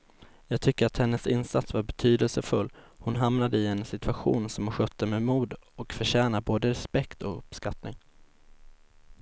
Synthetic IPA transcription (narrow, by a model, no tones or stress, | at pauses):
jɑːɡ̚t̪ʰʏkːəɾat̪hɛnːəsɪnsat̪svaɾbɛt̪ʰyːd̪əlsəfɵlːhʊnɦamnad̪əɪɛnsɪt̪ʰɵaɧṵːnsɔmhaɧœt̪ːəmɛmuːd̪ɔkfœɕɛːnaboːd̪əɾɛspɛkt̪ɔkɵpskat̪nɪ̰ŋ